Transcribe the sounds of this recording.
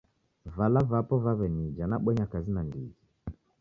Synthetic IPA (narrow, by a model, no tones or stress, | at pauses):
valavapɔvaβɛnid͡ʒanaɓɛɲakazinandḭɡi